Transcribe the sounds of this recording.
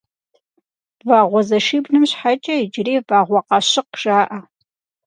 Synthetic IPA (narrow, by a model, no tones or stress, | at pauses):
vaːʁʷɔzɐʃiːbnɨmɕħat͡ʃʼɐɪd͡ʒɪreːvaːʁʷɔqɑɕɪqʒ̥aːʔɐ